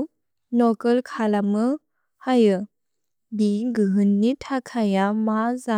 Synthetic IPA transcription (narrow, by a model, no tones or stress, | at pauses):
nɔkəlkʰalamɯ | hajɯ | biɡɯɦɯnːitʰakʰajamaza